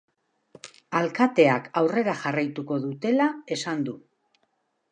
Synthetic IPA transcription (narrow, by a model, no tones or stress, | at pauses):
alkat̪e̞akawre̞ɾaʝarajt̪uko̞ðut̪e̞lae̞sand̪u